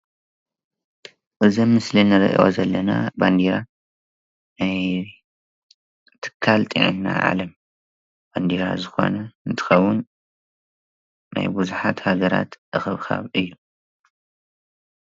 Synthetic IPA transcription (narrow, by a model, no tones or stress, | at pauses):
ʔɨzɐmːɨslinɨɾʔḭʔo̰zɐlːɐna̰band̪iɾa | naj | t̪ʰɨ̥kʰːalt̪ʼḭʕɨ̰nːa̰ʕa̰lɐm | b̥and̪iɾa̰zɨxo̰nɐɨnt̪ʰɨ̥xɐwːʊn | a̰jbuzuħat̪haɡɐɾa̰t̪ʔɨxɨβkʰa̰βɨjːu